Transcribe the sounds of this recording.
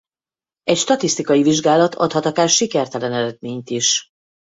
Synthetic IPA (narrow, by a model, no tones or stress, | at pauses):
ɛcʃt̪ɒt̪ist̪ikɒjiviʒɡaːlɒt̪ʰɒ̰t̪hɒt̪ɒkaːʃikɛrt̪ɛlɛnɛɾɛd̪̚meːɲt̪iʃ